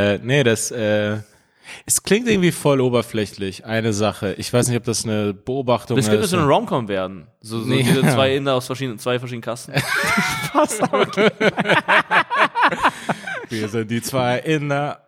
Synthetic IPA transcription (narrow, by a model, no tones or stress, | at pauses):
ɛːnəɾasʔɛː | ʔɛskl̥ɪŋt̚ʔɪŋ̩tv̥iːfɔloːbɐflɛçlɪçʔaɪnəzaχəʔɪçv̥aɪsnɪçtɔpd̥asnəbəoːbaχtʊɛsŋɡɪ̥ɪsɐzonəʁɔʊmkʰɔmveːɐdn̩ | zoːzit͡sv̥aɪʔɪnɐaʊsfɛɐʃiːdnənt͡sv̥aɪfɛɐʃiːdn̩kʰasn̩fasa | viːɐzɪnt̚d̥iːt͡sv̥aɪʔɪnɐ